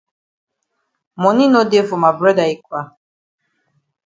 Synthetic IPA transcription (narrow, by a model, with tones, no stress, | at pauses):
mɔ˨ni˦no˦de˦fʊ˨ma˨bɾɛ˦da˨i˦kʷwa˦